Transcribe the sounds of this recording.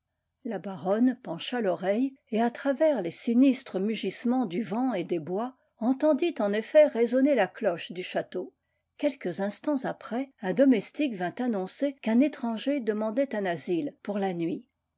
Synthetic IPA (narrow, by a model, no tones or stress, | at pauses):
labaʁɔnpɑ̃ʃalɔʁɛjeat̪χavɛʁlesinist̪χəmyʒismɑ̃d̪yvɑ̃ed̪ebwa | ɑ̃t̪ɑ̃d̪it̪ɑ̃nefɛʁezɔnelaklɔʃd̪yʃat̪o | kʲɛlkəzɛ̃st̪ɑ̃zapχɛɛ̃d̪ɔmɛst̪ikvɛ̃t̪anɔ̃sekɛ̃net̪χɑ̃ʒed̪əmɑ̃d̪ɛt̪ɛ̃nazilpuʁlanɥi